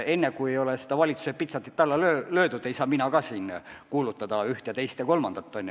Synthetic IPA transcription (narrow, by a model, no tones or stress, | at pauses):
e̞nːekujejo̞lese̥d̪ɑvɑlʲit̪su̥set̪pit̪sɑt̪it̪t̪ːɑlːɑløːlø̞ːd̪ud̪e̞jsɑːminɑkɑsiːnkuːlut̪ˑːɑd̪ɑyht̪ejɑt̪e̞jst̪jɑko̞lmɑnd̪̥ɑt̪ːo̞nʲj